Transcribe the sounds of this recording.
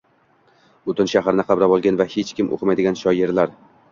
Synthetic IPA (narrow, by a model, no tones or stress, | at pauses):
bʊt̪ʰɪnʃaɦaɾɪnɪqʰɑbɾabɒlˠɡʲanvahet͡ʃkʲɪmʔo̰qʰɨmajd̪ɪɡʲanʃɒjeɾlaɾ